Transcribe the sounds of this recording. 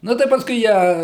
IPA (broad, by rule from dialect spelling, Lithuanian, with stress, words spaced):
ˈnʊ tɐɪ ˈpɑːskʊɪ ˈjæː